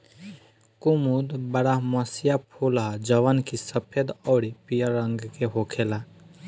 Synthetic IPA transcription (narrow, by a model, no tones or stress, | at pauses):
kumud̪bɐɾamɐsijapʰuːlaɦd͡ʒɐʋənkisəpʰjəd̪ɔːɽipijaɾə̃ŋɡkeɦoːkʰeːla